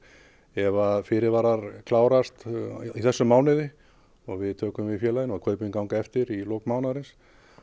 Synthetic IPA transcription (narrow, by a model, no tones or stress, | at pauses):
ɛvafɪɾɪɾvaɾaɾkʰlaːwɾast̪iθɛsːʏmaːwnɪðɪ | ɔɣvɪðt̪ʰœːkʏmvɪðfjɛːlajɪnɔɣkʰœːɥpʏkawŋkaɛft̪ɪɾilowkmaːwnaɾɪns